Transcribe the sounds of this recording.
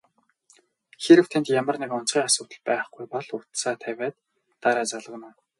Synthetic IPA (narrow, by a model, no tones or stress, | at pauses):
xeɾɘ̆w̥t̪ʰænt̪jamə̆rnekʊn̥t͡sʁiːŋasʊːt̪ə̆ɮpæːχɡujpɔɮʊt̪saːt̪ʰæwʲæːt̪ː | aɾæːt͡saɮə̆ɣ̆naː